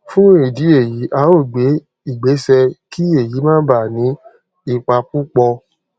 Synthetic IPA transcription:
fũ˦e˨di˨˦e˦˨ji˨˦ʔa˨˦o˦˨ɡ͡be˨˦ | i˦˨ɡ͡be˨˦sɛ˧ki˦e˨ji˨˦mãː˦ba˦˨nĩ˨˦ | i˧k͡pa˧ku˦k͡pɔ˧

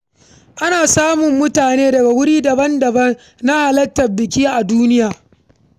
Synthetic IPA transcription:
ʔa˦naː˨saː˦mʊ˨mːʊ˦taː˨neː˦dɐ˨ɡa˨wʊ˦ɽiː˦dɐ˨bɐ˦ndɐ˨bɐ˦n | na˦ha˨lɐ˦tːɐ˨rbɪ˨kʲiː˦ʔa˨duː˦nɪ˦jaː˨

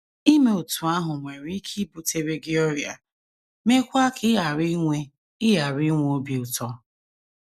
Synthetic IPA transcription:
i˦me˨o˨tu˨a˦ɦʊ˨ŋʷe˨ɾi˦kʰi˦bu˨te˦ɾe˦ɡɪ˦ɔ˦ɾja̰˨ | me˦kʷa˦kʰɪ˦a˨ɾi˦ŋʷe˦ | ɪ˦ɦa˨ɾi˦ŋʷ˦o˦bi˨˦ʊ˨tɔ˦

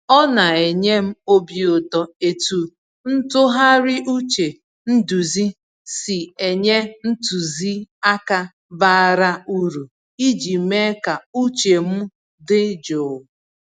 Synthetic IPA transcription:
ɔ˦na˨e˨ɲe˦m̩˦o˦bi˨ʊ˨tɔ˨e˨tu˨ | n̩˦tʊ˦ɦa˦ɾɪ˦ʔu˦t͡ʃe˨ | n̩˦du˨zi˦ | si˨e˨ɲe˦n̩˦tu˨zi˦a˦ka˦ | ba˦a˦ɾa˦u˦ɾu˨ | i˦d͡ʒi˨me˦ka˨u˦t͡ʃe˨m̩˦ | dɪ˦d͡ʒo˨

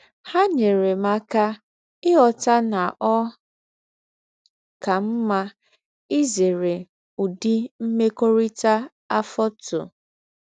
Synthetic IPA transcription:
ha˦ɲe˨ɾe˨ma˨ka˦ | ɪ˦ɔ˨ta˦na˨ʔɔ˦ | ka˨m̩˦ma˦ | ɪ˦ze˨ɾe˨ | u˨di˦m̩˦me˦ko˦ɾi˦ta˦ | a˦fɔ˦tʊ̰˨

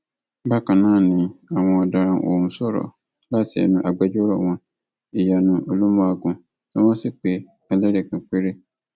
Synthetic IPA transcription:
ba˦ka˨nã˦˨nĩ˨a˨wɔ̃˨da˨ɾã˨ŋʔo̰˨m˨sɔ˦ɾɔ̰˨ | ba˦˨tɛ̰˨nũ˨ʔa˨ɡ͡bɛ˦d͡ʒo˦ɾɔ̰˨wɔ̃˨n | i˨ja˨nũ˨o˨lo˦m˦a˦˨ɡũ˨ | tɔ˦mã˦sɪ˦k͡pe˨ | a˨le˦ɾe˨kã˨k͡pe˦ɾe˦

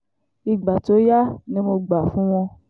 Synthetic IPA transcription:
i˧ɡ͡ba˨to˨˦ja˦nĩ˦mo˧ɡ͡ba˨fũ˦w̃ɔ̃˧

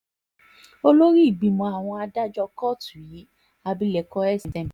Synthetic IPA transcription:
o˦lo˦ɾi˦i˦˨ɡ͡bi˨˧mɔ̃˧a˨w̃ɔ̃˧a˧da˦d͡ʒɔ˧kɔ˦˨tũ˨ji˨˦ | a˧bi˦lɛ˧˨kɔ˦ɛ˦˨si˨tɛ̃˧˨

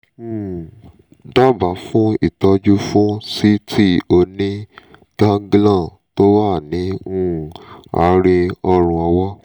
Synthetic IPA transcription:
da˦ba˨˦fũ˦i˦˨tɔ˧d͡ʒu˦fũ˦si˦tʰi˦o˧nĩ˦ | ɡ̥ã˦ɡlã˦˨ | to˦wa˦˨nĩ˨˦a̰˨˦ɾi˧ɔ˧ɾ̃ũ˧ɔ˧wɔ˦

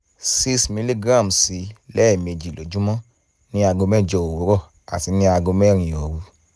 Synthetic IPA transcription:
si˦smĩ˧li˦ɡɾa˦˨msi˨˦lɛ˦˨me˧˨d͡ʒi˨lo˨˦d͡ʒu˦mɔ̃˦ | nĩ˦a˧ɡo˧mɛ˦˨d͡ʒɔ˧o˨wo˨˦ɾɔ˦˨ | a̰˨ti˧˦nĩ˦a˧ɡo˧mɛ˦˨ɾ̃ĩ˨o˨ɾu˧˦

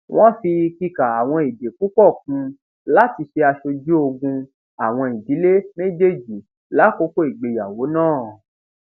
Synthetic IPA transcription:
w̃ʔɔ̃˦fi˧ki˧ka˨a˨w̃ɔ̃˧i˨de˨ku˨˦k͡pɔ˦˨k̚ũ˧˦ | la˦ti˧ʃe˧a˧ʃo˧d͡ʒu˦o˧ɡũ˧ | a˨w̃ɔ̃˧i˨di˨˦le˦mẽ˦d͡ʒe˦˨d͡ʒi˨ | la˨˦ko˦ko˦i˨ɡ͡be˨ja˨wo˨˦nãː˦˨

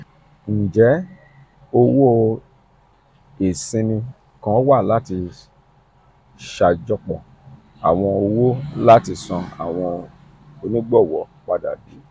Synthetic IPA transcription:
ñ̩˨d͡ʒɛ˨˦ | o˧wo˦ | e˨sĩ˧nĩ˧ | kã˦wa˦˨la˨˦ti˧ | ʃa˧d͡ʒɔ˧k͡pɔ̃˨ | a˨w̃ɔ̃˧o˧wo˦la˦ti˧sɔ̃˧a̰˨w̃ɔ̃˧ | o˧nĩ˦ɡ͡bɔ˦˨wɔ̰˨˦k͡pa˦da̰˨bi˨˦

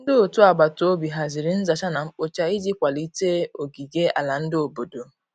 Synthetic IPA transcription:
n̩˦dɪ˦o˨tu˦a˨ɡ͡ba˨to˦o˦bi˨ɦa˨zɪ˨ɾɪ˨n̩˦za˨t͡ʃa˦na˨ŋ͡m̩˦k͡po˦t͡ʃa˦i˦d͡ʒi˦kʷa˨li˦teː˦o˨ɡi˨ɡe˦a̰˨la˨n̩˦dɪ˦o˨bo˨do˨

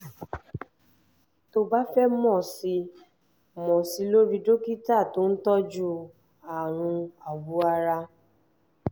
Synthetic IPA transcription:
to˧ba˦fɛ˦mɔ̃˦˨si˧ | mɔ̃˨si˧lo˦ɾi˧do˦ki˦ta˦˨to˨˦n̩˦tɔ˦d͡ʒu˦ | a˨ɾ̃ũ˧a˨bu˨˦a˧ɾa˧

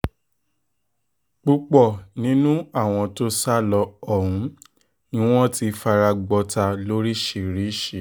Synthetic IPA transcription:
k͡pu˧k͡pɔ˨nĩ˨˦nũ˦a˦˨w̃ɔ̃˧to˦sa˦˨lɔ˧ɔ˦˨ɾũ˨˦ | nĩ˦w̃ɔ̃˦ti˧fa˧ɾa˧ɡ͡bɔ˧ta˧lo˦ɾi˦ʃe˨ɾi˨˦ʃe˨

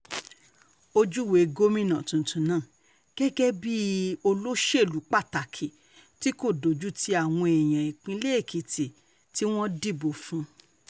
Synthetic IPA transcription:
o˧d͡ʒu˦we˨˦ɡo˦mĩ˦nã˨tũ˨tʰũ˨nãː˦˨ | ɡ̥ɛ˦ɡɛ˦bi˦o˧lo˦ʃe˦˨lu˨˦k͡pa˦˨ta˨kʰi˨ | ti˨˦ko˦˨do˨d͡ʒu˦tʰi˧˦a˦˨w̃ɔ̃˧ɛ˨j̃ã˨i˨k͡pĩ˧˦le˦e˦˨kʰi˨ti˨ | ti˦w̃ɔ̃˦di˦˨bo˨fũ˨˦

